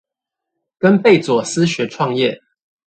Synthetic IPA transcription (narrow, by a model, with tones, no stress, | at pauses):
kə˦npe˥˨ɪt͡swɔ˨˩s̩˦ɕɥɛ˨˦ʈ͡ʂʰwɑ˥˧ŋjɛ˥˨